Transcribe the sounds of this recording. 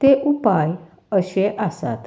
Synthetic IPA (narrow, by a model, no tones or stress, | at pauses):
t̪eʔupaj | əɕeʔəsa̰t̪